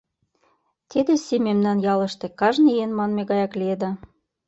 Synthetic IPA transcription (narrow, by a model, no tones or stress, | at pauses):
t̪id̪ĕsememnɑnjɑlɤ̆ʃt̪ĕkɑʒnienmɑnmeɣɑjɑklied̪ɑ